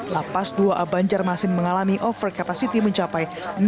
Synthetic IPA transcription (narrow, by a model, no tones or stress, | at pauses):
lapasduaʔabaɲd͡ʒarmasɪnməŋalamiʔɔfərkapasit̪iməɲt͡ʃapaj | n